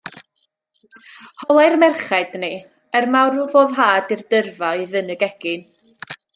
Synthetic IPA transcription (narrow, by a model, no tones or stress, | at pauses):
hɔlˠajrmɛrχad̥ni | ərmawruvoːðɦaːdirdərvaiðɨnəɡɛɡ̥ɪn